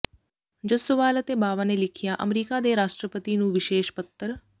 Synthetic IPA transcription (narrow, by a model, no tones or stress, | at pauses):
d͡ʒəsʊʋaːlət̪eːbaːʋaːneːlɪkʰɪjaːʔə̰mɾiːkaːd̪eːɾaːʃʈɾəpət̪iːnũːʋɪʃeːʃpət̪ʰːəɾ